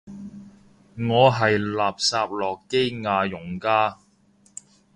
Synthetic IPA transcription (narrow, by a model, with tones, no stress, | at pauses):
ŋɔː˨˧ɦɐ˨jlaː˨p̚saː˧p̚lɔː˨kːe˥jŋaː˨˧jʊ˨˩ŋkaː˥